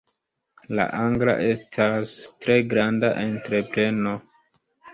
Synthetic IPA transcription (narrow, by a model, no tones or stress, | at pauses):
la̰ʔaŋɡla̰ʔe̞stʰastɾe̞ɡɾanda̰ʔentɾe̞pɾe̞no̞